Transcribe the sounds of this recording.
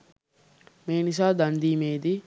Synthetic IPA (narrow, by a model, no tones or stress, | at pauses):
meːnis̬aːd̪and̪iːmeːd̪i